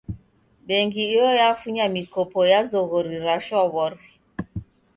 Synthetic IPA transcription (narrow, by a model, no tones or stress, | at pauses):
beŋɡiijojafuɲamikopojazoɣoɾiɾaʃɔβɔɾi